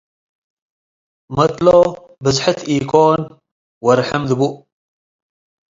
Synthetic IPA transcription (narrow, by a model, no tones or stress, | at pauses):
mɐt̪ʼlo | bɨzħɨt̪ʰiːkʰʼon | wɐɾħɨmðɨbuʔ